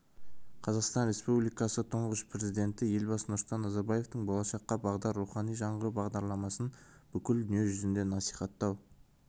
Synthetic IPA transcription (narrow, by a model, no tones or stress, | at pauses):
qʰɑzɑqst̪ɑnɾe̞spublijkɑsət̪ʰoɴʁəʃpʰɾe̞zijd̪e̞nt̪ɪje̞lʲbɑsənʊɾst̪ɑnːɑzɑɾbɑje̞ft̪əɴbolˠɑʃɑqːɑbɑʁd̪ɑɾːuχɑnijʒɑɴʁəɾubɑʁd̪ɑɾlˠɑmɑsənb̥ʏkʲɪld̪ʏnije̞ʒʏzɪnd̪e̞nɑsijχɑt̪ːɑw